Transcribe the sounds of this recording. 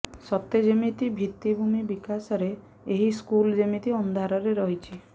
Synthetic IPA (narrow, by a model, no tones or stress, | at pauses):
sɔt̪ːed͡ʒemit̪ibʱit̪ːibʱumibikasɔɾe | eɦiskuld͡ʒemit̪iɔnd̪ʱaɾɔɾeɾɔɦit͡ʃʰi